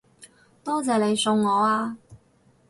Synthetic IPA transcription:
t̪ɔː˥t͡sɛː˨˧le˨˧jsʊ˧ŋːɔː˨˧aː˧

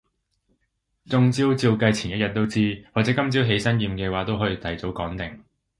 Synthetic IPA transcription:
t͡sʊ˧ŋt͡siː˥wt͡siː˧wkɐ˧jt͡sʰiː˨˩njɐ˥t̚jɐ˨t̚t̪o˥wt͡siː˥wɔ˨k̚t͡sɛː˨˥kɐ˥mt͡siː˥wɦe˨˥jsɐ˥njiː˧mkɛː˧waː˨˥t̪o˥wɦɔː˨˥jiː˧t̪ʰɐ˨˩jt͡so˨˥wkɔː˨˥ŋt̪ɪ˨˩ŋ

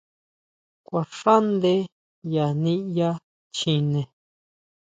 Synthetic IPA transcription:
kʷa˨ʂa˦nd̪e˧˦ | ja˨nĩ˦ja˦ | t͡ʃĩ˧nẽ˨

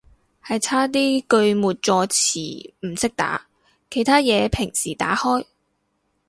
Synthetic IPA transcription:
hɐ˨jt͡sʰaː˥t̪̬iː˥kɵ˧ɥmuː˨t̚t͡ʃɔː˧t͡sʰḭː˨˩m̩˨˩sɪ˥k̚t̪a̰ː˨˥ | kʰe˨˩jt̪ʰaː˥jɛː˨˧pʰɪ˨˩ŋsiː˨˩t̪a̰ː˨˥hɔː˥j

